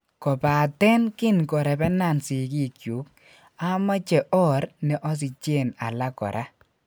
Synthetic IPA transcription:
kɔ˨pa˨tɛ˦nkɪ˦nkɔ˨ɾɛ˨bɛ˦na˦˨nsɪ˨ki˦kju˨˦k̚ | a˦ma˦t͡ʃɛ˨ʔɔ˦ɾnɛ˨ʔɔ˦s̬ɪ˨t͡ʃe˦˨na̰˨la˦kɔ̰˨ɾʔa˦

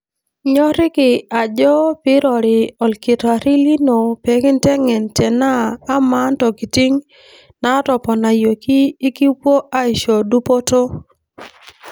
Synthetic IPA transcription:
ɲɔ˦ɾɪ˦kɪ˨a˨d͡ʒɔ˦pɪ˦ɾɔ˨ɾɪ˨ɔ˨lkɪ˨ta˨ɾɪ˦li˦no˨pe˨kɪ˦ntɛ˦ŋɛ˨ntɛ˨naː˦ma˦ntɔ˨ki˨ti˦ŋ | na˦tɔ˨pɔ˨na˨jo˨kiː˦ki˦pwo˦ʔa˦ɪ˨ʃo˨du˦po˦to˦

